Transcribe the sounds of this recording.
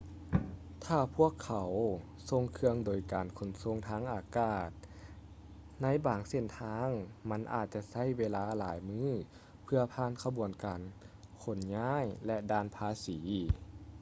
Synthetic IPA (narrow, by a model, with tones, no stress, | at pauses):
t̪ʰaː˧˩pʰu˦˥˩əkʰːa˨˩˦w | so˧ŋkʰɯ˧əŋdoː˨˩jkaː˨˩nkʰo˨˩nso˧˥ŋt̪ʰaː˧˥ŋʔaː˨˩kaː˧˩t̪̚ | na˧˥˨jbaː˨ŋse˧˩nt̪ʰaː˧˥ŋma˧˥nʔa̰ː˨˩t̪̚t͡ɕa˧sa˧˥˨jweː˧laː˧˥laː˨˦jmɯː˥˨ | pʰɯ˧ɐpʰaː˧˥˨nkʰa˧bu˨˩ənkaː˨˩nkʰo˨˦nɲaː˧˥˨jlɛ˧ʔdaː˧˩˨npʰaː˧siː˩˦